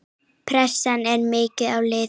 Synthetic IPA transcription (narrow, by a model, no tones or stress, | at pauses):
pʰɾɛsanɛɾmɪːcɪawlɪː